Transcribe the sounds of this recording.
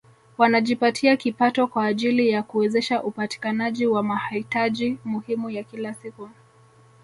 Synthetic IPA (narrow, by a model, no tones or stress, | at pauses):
wanaʄipatʰiakipatɔkwaːʄilijakuɛzɛʃaʔupati̥kanaʄiwamahitaʄimuhimujakilasiku